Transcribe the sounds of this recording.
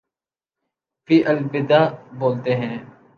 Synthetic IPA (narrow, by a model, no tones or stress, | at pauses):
fiːʔəlbɪd̪aːboːlt̪eːɦɛ̃ː